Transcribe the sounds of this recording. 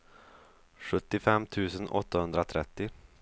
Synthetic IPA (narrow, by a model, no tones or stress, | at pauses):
ɧɵt̪ːɪfɛmːt̪ʰʉ̟ːsənɔ̰t̪ːahɵnd̪ɾat̪ʰɾɛt̪ːɪ